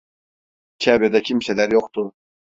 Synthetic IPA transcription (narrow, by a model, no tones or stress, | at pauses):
cʰabjad̪acʰimsɛlʲæɾjoqt̪ʰʊ